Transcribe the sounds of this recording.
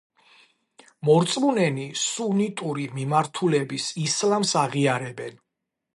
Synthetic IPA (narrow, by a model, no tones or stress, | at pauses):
mɔɾt̪sʼmunɛnisunit̪ʼuɾimimaɾt̪ʰulɛbisislamsaʁiaɾɛbɛn